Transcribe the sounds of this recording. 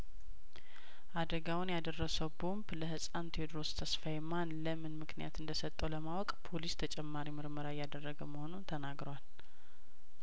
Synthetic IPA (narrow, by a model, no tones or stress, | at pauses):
ʔad̪əɡawʊnjad̪ərːəsəwbombləhɨsʼant̪ʰed̪ɾost̪ʰəsfajmanləmɨnmɨknijat̪ɨnd̪əsət̪ʼːəwləmawɔkʼpʰo̞list̪ʰət͡ʃʼɛmːaɾimɨɾməɾajad̪ərːəɡəməho̞nunt̪ʰənaɡɾowal